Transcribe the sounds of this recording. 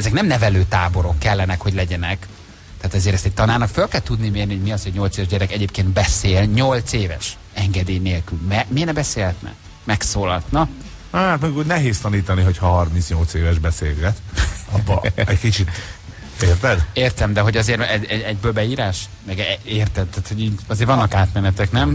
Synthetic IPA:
ɛzɛknɛmnɛvɛløːt̪aːbo̞ɾo̞kːɛlːɛnɛkho̞ɟlɛɟɛnɛk | t̪ɛaːt̪ɛzeːɾɛst̪ɛc̚t̪ɒnaːrnɒkfølkɛlt̪ud̪nimeːrniho̞ɟmiɒshoɟɲo̞lt̪seːvɛʒɟɛɾɛkɛɟeːpkeːnd̪̚bɛseːlɲolt̪seːvɛ̰ʃ | ɛŋɡɛd̪eːjneːlkylmɛminɛbɛseːlhɛt̪nɛ̰ | mɛksoːlɒt̪nɒ | at̪mɛkunɛɦeːst̪ɒniːt̪ɒniɦo̞chɒɦɒrmintsɲo̞lt̪seːvɛʒbɛseːlɡɛt̪ɒbːɒ̰ɛɟkit͡ʃit̪ | eːrt̪ɛd̪eːrt̪ɛmd̪ɛɦo̞ɟɒzeːɾɛɟɛɛɟbøːlbɛiːɾaːʃ | mɛɡɛeːrt̪ɛd̪t̪aːt̪ho̞ɟiːɟɒzeːɾvɒnːɒkaːt̪mɛnɛt̪ɛknɛm

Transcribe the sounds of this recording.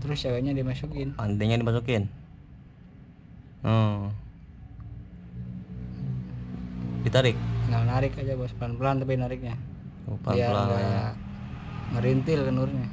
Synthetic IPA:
t̪əɾʊst͡ʃawaɲadimasukɪnpant̪ɛɲadimas̬ukɪn | ə | dit̪aɾɪk̚əŋalnaɾɪkad͡ʒabasplanpəlant̪ap̬inaɾɪk̚ɲapalaalada | məɾint̪ɪlkənuɾɲa

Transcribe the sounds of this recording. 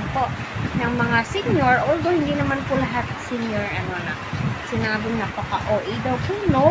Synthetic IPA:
poʔ | nɐŋmɐŋasinjoɹold̪ohind̪inɐmanpulɐɦat̪̚sinjoɹɐnonɐ | sɪnaːbɪŋɐpɐkaʔoʔid̪ɐwkuŋno

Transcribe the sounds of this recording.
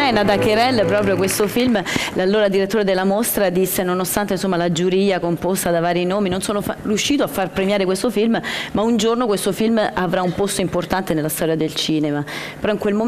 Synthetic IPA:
ɛnad̪akeɾɛlːpɾɔːpɾjokwest̪ofilmlalːoːɾad̪iɾet̪ːoːɾed̪elːamost̪ɾad̪isːenonost̪ant̪einsomːalad͡ʒuɾiːakompost̪ad̪avaːɾinoːminonsoːnofrjuʃːiːt̪oafːarpɾemjaːɾekwest̪ofilmmaund͡ʒornokwest̪ofilmavɾaumpost̪oimport̪ant̪enelːast̪ɔːɾjad̪elt͡ʃiːnemapeɾɔiŋkwelmo

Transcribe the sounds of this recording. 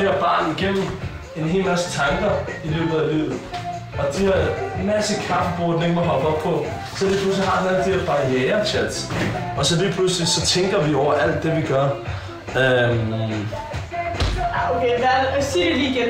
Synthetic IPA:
eæɐb̥ɑ̈ːniɡ̥em̰m̩ | e̝nɦe̝ːlmæst͡sʰɑ̈ŋɡ̥ɐilø̰ːb̥ð̩ˠælḭːʊ̰ð̩ˠ | ɒ̽d̥ihɑmæsəkʰʁɑ̈fəb̥ɔːd̥neŋɐɦɒ̽b̥ɒ̽b̥̚pʰɒ̽ | sɒ̽liːplus̬liɦɑ̈æl̩d̥i̥eɐb̥ɑ̈jɛːɐt͡sʰed̥ɒ̽sɒ̽liːpʰluslisɒ̽t͡sʰeŋɡ̥ɐʋiɒʊ̰ɐʔæl̰d̥ːe̝ʋiɡ̥ɶɐ | ø | okʰeʋææsideliɡ̥e

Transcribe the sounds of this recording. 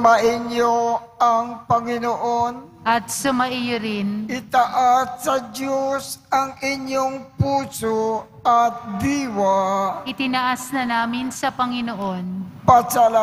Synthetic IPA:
mɐʔɪɲjoɐŋpɐŋɪnoʔonʔɐt̪̚sʊmɐʔɪjoɾɪnʔɪt̪ɐʔasːɐd̪josɐŋɪɲjoŋpuːso | ɐt̪̚d̪iːwɐʔɪt̪ɪnɐʔasnɐnaːmɪnsɐpɐŋɪnoʔo̞npɐsala

